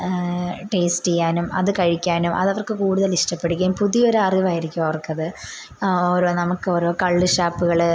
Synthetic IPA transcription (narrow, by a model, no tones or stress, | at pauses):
ʈeːsʈijaːnumɐ̰ðɨkɐɻikʲːaːnumʔɐ̰ðɐʋɐrkɨkuːɽuðɐliʂʈɐpːe̞ɽikʲːumpuðijo̞ɾɐriʋaːjiɾikʲːumɐʋɐrkːɐðɨ | o̞ːɾo̞ːnɐmukːɨo̞ːɾoːkɐɭːɨʂaːpːuɣɐɭ